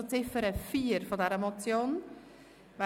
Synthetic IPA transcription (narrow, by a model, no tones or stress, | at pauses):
t͡sɪfəɾəfiːɾfod̪ɛɾɛmot͡sjoːn | ʋæ